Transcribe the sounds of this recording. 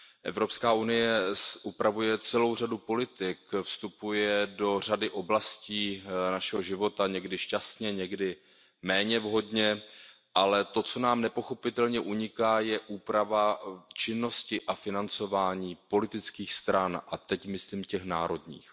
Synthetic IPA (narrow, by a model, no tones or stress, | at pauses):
ʔɛ̰vɾo̞pskaːʔunɪjɛsʔupɾavujɛt͡sɛlo̞wr̝adupo̞lɪt̪ɪkfst̪upujɛdo̞r̝adɪʔo̞blasciːnaʃɛɦo̞ʒɪvo̞t̪aɲɛɡdɪʃcast̪ɲɛɲɛɡdɪ | mɛːɲɛvɦo̞dɲɛ | ʔalɛt̪o̞t͡so̞naːmnɛpo̞xo̞pɪt̪ɛlɲɛʔuɲɪkaːjɛʔuːpɾavat͡ʃɪnːo̞scɪʔafɪnant͡so̞vaːɲiːpo̞lɪt̪ɪt͡skiːxst̪ɾanʔat̪ɛcmɪsliːmcɛxna̰ːɾo̞dɲḭːx